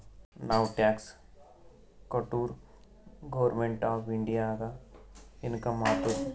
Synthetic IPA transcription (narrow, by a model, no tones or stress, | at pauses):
naːwʈɛːks | kəʈuːɾ | ɡoʋəɾmẽɳʈaːfɪɳɖijaːɡa | ɪnkɐmaːt̪uɾ